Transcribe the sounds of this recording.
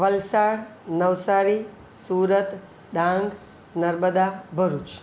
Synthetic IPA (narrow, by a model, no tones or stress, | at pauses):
ʋəlsaɽnəʋsaɾi | suɾət̪ | ɖ̪ãŋɡ | nəɾməd̪abʱəɾut͡ʃ